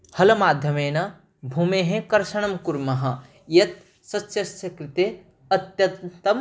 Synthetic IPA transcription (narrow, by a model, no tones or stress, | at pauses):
hɐlɐmaːd̪ʱjɐmeːnɐ | bʱumeɦẽkɐɾʃɐɳɐmkuɾmɐɦɐ̆ | jɐt̪̚ | sɐtːʃʰɐsɐkɾit̪e | ɐt̪jɐt̪ɐm